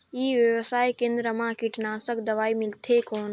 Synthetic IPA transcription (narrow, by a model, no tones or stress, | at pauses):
iːʋjəʋəsaːjkẽːnd̪ɾəmãːkiʈnaːsəkd̪ɐʋaːimɪlt̪ʰeːkoːn